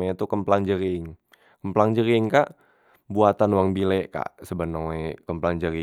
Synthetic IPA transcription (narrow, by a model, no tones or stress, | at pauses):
aɲat̪ukəmplaŋd͡ʒəɾiŋ | kəmplaŋd͡ʒəɾiŋkaʔ | buat̪anwaŋbilɛʔka̰ʔsəbənəŋwakəmplaŋd͡ʒəɾi